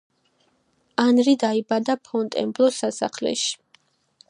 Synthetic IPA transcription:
anɾid̪aibad̪apʰɔnt̪ʼɛ̰mblˠɔsasa̰χlɛ̰ʃi̥

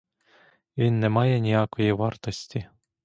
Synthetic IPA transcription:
enːemɑjɑnʲiɑkojeʋɑrt̪osʲt̪ʲi

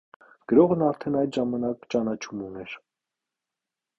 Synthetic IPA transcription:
ɡ̥əɾɔʁnɑɾt̪ʰɛnɑjd̪ʒɑmɑnɑkt͡ʃɑnɑt͡ʃʰumunɛɾ

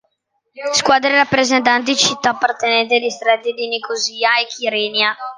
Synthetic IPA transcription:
skwaːd̪ɾeɾapːɾezent̪̬ant̪̬it͡ʃit̪ːaːpːart̪enɛnt̪̬ialist̪ɾad̪id̪inikoziːaekʰiɾɛːnja

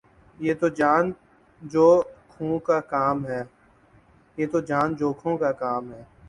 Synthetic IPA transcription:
jeːt̪oːd͡ʒaːn | d͡ʒoːkʰũːkaːkaːmɦɛː | jeːt̪od͡ʒaːnd͡ʒoːkʰõːkakaːmɦɛː

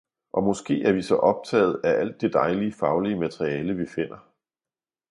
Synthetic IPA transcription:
ʔɒ̽mɒ̽sɡ̥e̝̰ːæɐʋisɒ̽ʔɒ̽b̥̚t͡sʰɛ̰ːð̞̩ˠæʔæl̰d̥ːe̝d̥ɑ̈ɪliəfɑ̈ʊliəmæt͡sʰʁiɛːləʋife̝n̰ɐ

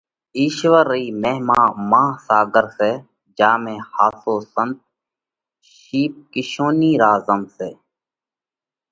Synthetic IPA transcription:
iːʃʋəɾiːmeːɦmãːmãːsaːɡəɾseː | d͡ʒaːmẽːhaːsoːsənt̪̚ | ʃiːp̚kɪʃoːniːɾaːzəmseː

